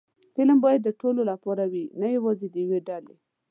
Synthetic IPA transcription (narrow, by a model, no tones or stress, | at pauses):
fɪləmbɑjad̪ːəʈololapɑɾawinajawɑzed̪əjweɖale